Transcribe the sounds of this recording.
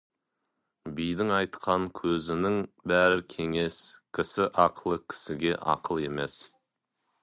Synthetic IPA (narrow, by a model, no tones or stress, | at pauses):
bijd̪ɪŋɑjt̪qʰɑŋkʲʰɵzɪnɪŋbæɾɪkʲʰe̞ŋe̞skʲʰɪsɪʔɑqʰəlˠəkʲʰɪ̥sɪɡʲe̞ʔɑ̰qəlˠe̞me̞s